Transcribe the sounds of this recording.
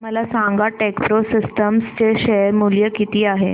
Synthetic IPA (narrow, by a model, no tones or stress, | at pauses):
məlasãŋɡaʈekpɾosisʈəmst͡ɕeɕeɾmuljəkit̪iːaɦe